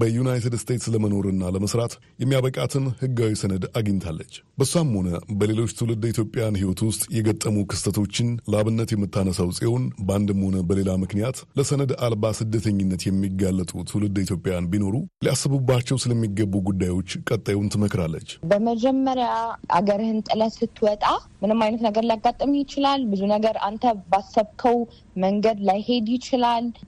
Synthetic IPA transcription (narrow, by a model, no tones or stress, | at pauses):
bəjunajt̪ʰɨd̪st̪ʰe̞t̪sləməno̞ɾɨnːaləməsɾat̪ | jɛmːijaβəkʼat̪ʰɨnhɨɡːawisənəd̪aɡɨɲt̪ʰalːət͡ʃːbəsuamho̞nəbəle̞lo̞t͡ʃːt̪ʰɨwlɨd̪it̪ʰjo̞pʼːejanhiwɔt̪wʊst̪ʼjɛɡət̪ʼːəmukʰɨst̪ʰət̪ʰo̞t͡ʃːɪnləaβɨnːət̪jɛmːɨt̪ʰːanəsəwsʼiho̞nband̪ɨmho̞nəbəle̞lamɨknijat̪ləsənəd̪albasɨd̪ːət̪ʰəɲːɪnːət̪jɛmːiɡːalːət̪ʼut̪ʰɨwlɨd̪it̪ʰjo̞pʼjanbino̞ɾuliasːɨβɨbːat͡ʃːɛwsɨləmːiɡːəbːuɡud̪ːajwo̞t͡ʃːkʼət̪ʼːajwnt̪ʰɨməkɾalːə̰t͡ʃːbəməd͡ʒɛmːəɾjaʔa̰ɡəɾhɨnt̪ʼɨləsɨt̪ːwɔt̪ʼa | mɨnɨmajnət̪nəɡəɾljaɡat̪ʼːəmjɪt͡ʃɪlalbɨzunəɡəɾant̪ʰəbasːəβkʰəw | məŋɡəd̪lajhe̞d̪jɪt͡ʃɪlal